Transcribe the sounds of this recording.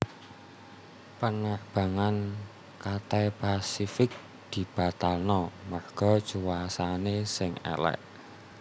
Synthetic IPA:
pənaʔb̥a̤ŋan | kat̪ɛpasifɪk̚ | d̪̥i̤b̥a̤t̪alnɔmarɡ̥ɔ̤̥t͡ʃuwasanesɪŋɛ̰lɛ̰ʔ

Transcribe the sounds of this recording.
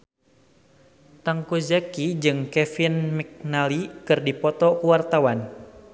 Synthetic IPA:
t̪aŋkuzakid͡ʒɨŋkɛfinmik̚nalikɨrdipɔt̪ɔkuwart̪awan

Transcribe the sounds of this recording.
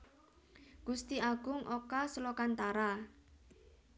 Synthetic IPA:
ɡ̥ust̪iaɡ̥ʊŋʔokaslokant̪aɾa

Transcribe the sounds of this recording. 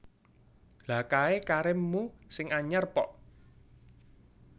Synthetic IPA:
lakaekaɾɪmːusɪŋaɲərpɔʔ

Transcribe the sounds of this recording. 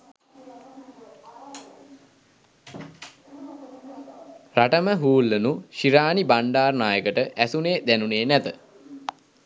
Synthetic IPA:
raʈəməɦuːlːənuʃiɾaːnibaɳɖaːrnaːjəkəʈəʔæsuneːd̪ænuneːnɛt̪ə

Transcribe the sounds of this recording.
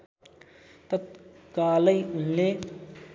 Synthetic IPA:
t̪ət̪̚kaːləjne

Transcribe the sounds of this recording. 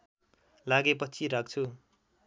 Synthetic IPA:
laɡepʌt͡sʰiɾak̚t͡sʰu

